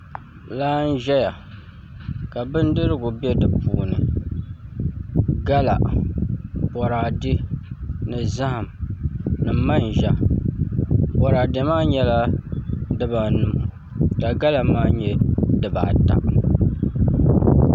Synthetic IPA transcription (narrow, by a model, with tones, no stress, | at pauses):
laː˦n̩˦ʒɛ˦ja˨ | ka˨bɨ˦n˦dɨ˦ɾɨ˦ɡʊ˨bɛ˦dɨ˨pṵː˨nɨ˨ | ɡa˦la̰˨ | pɔ˨ɾaː˨dɪ˦nɨ˨za˦ha˨m | nɨ˨ma˦n˨ʒa˦ | pɔ˨ɾaː˨dɪ˨maː˦ɲɛ˦la˦ | dɨ˦ba˨nɨ˨mʊ˨ | ka˨ɡa˦la˨maː˦ɲɛ˦dɨ˨ba̰˨ta̰˨ʔ